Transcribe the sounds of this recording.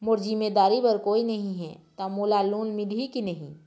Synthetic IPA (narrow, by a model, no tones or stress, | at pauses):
mʊɾzɪmeːd̪aːɾipɐɾkoːinɐɦĩɦɛ̰t̪amoːlaːloːnmɪlʱikinɐɦḭ̃ː